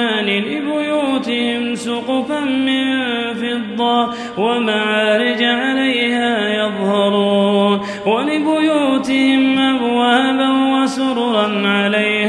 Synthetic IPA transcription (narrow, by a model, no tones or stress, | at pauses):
aːnɪlɪbʊjuːt̪ɪhɪmsʊqʊfanmɪnfɪd̪ˤːɑ | wamaʕaːɾɪd͡ʒaʕalajhaːjɑðˤhɑɾˤuːn | walɪbʊjuːt̪ɪhɪmʔabwaːbanwasʊɾɾˤɑnʕalajh